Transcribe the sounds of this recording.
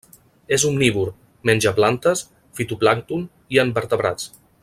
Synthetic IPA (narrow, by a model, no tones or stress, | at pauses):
ezumːiβuɾ | mɛnʲd͡ʒəplant̪əs | fit̪uplaŋt̪un | iəmbəɾt̪əβɾat͡s